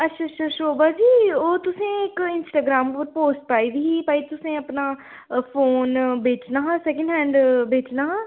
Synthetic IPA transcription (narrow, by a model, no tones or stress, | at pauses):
ətːʃʰaːətːʃʰaːʃoːbaːd͡ʒiːoːt̪ʊsẽːɪkɪnsʈaːɡɾaːmpəɾpoːsʈ̚paːiːb̪iːiːpaːit̪ʊsẽːəpnaː | pʰoːnbeːt͡ʃnaːɦãːsɛːkə̃ɳɖɦɛ̃ːɳɖbeːt͡ʃnaːɦãː